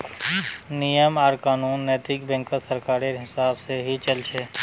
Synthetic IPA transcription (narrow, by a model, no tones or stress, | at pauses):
nijəmaːɾkaːnuːnːɛːt̪ɪkbɛ̃ŋkəsəɾkaːɾeɦɪsaːbseɦit͡ʃəlt͡ʃʰeː